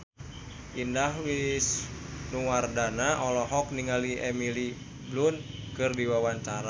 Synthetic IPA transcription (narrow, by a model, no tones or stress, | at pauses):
ʔindaɦwisnuwardanaʔɔlɔɦɔk̚niŋaliʔɛmili | blunkɨrdiwawaɲt͡ʃaɾa